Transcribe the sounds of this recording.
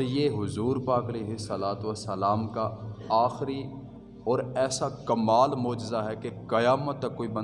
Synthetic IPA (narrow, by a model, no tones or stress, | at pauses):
ɾjeːɦʊzuːɾpaːkɐleːɦɪsəlaːt̪ʋəsəlaːmkaaːxɾi | ɔːɾɛːsakɐmaːlmoːd͡ʒɪzaɦɛkekɐjaːmət̪ːɐkːoːibɐ̃n